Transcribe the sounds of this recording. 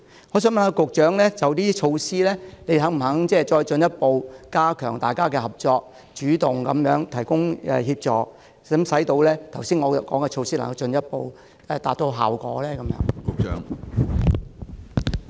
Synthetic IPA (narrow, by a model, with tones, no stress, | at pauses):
ŋɔː˨˧s̬œː˨˥ŋmɐ˧na˨˧˩kʊ˨k̚t͡ʃœː˨˥ŋlɛː˥t͡sɐ˨wt̪iː˥t͡ʃʰo˧wsiː˥lɛː˥ne˨˧jɦɐ˨˥ŋm̩˨˩ɦɐ˨˥ŋt͡sɛː˥˩t͡ʃɔː˧jt͡ʃɵ˧njɐ˥t̚po˨wkaː˥kʰœː˨˩ŋt̪aː˨jkaː˥kɛː˧hɐ˨p̚t͡ʃɔː˧k̚ | t͡ʃyː˨˥t̪ʊ˨ŋkɐ̰˨˥mjœː˨˥ŋt̪ʰɐ˨˩jkʊ˥ŋɛ̰ː˨hiː˧p̚t͡sɔː˨k̚ | sɐ˨˥msɐ˨˥jt̪o˧wlɛː˥t̪ʰɐ˨˩wsiː˥nŋɔː˨˧kɔː˨˥ŋkɛː˧t͡ʃʰo˧wsiː˥lɐ˨˩ŋhɐ˨˧wt͡ʃɵ˧njɐ˥t̚po˨˧w | ɛː˨˩t̪aː˨t̪̚o˧wɦaː˨wkɔ̰ː˨˥lɛː˥kɐ˨˦mjœ̰ː˨˧˥ŋkʊ˨k̚t͡ʃœ̰ː˨˧˥ŋ